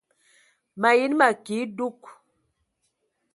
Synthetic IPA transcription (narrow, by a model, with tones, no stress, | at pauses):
ma˨ji˦nma˨ki˨˦du˦k